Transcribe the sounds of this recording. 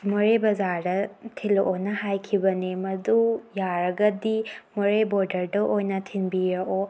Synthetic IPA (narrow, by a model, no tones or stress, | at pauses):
mɔɾebɐzaɾdɐtʰiloʔonɐhajkʰibɐnimɐdujaɾɐɡɐdimɔɾeboɾdɐɾdɐʔojnɐtʰinbiɾɐʔo